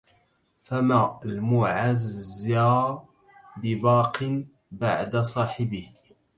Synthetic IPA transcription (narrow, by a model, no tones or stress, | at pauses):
famaʔlmʊʕaza | bɪbɑːqɨn | baʕd̪asˤɑːħɪbɪh